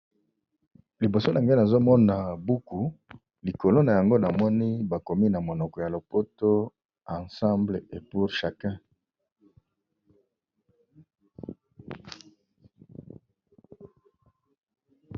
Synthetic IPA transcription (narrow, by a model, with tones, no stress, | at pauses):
li˨bo˨so˦la˨ŋɡa˦na˨zo˦mɔ˦na˨bu˦ku˨ | li˨ko˨lo˦na˨ja˨ŋɡo˦na˨mɔ˦ni˦ba˨ko˨mi˦na˨mo˨nɔ˨kɔ˨ja˨lo˨po˦to˦ | ã˨sã˦mble˨e˨pu˨ʁʃa˨kã˦